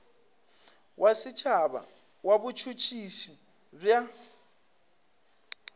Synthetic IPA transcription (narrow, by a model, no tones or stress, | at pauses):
wʔasɪt͡ʃʰaβa̰ | wabut͡ʃʰut͡ʃʰiʃi | b͡ʐja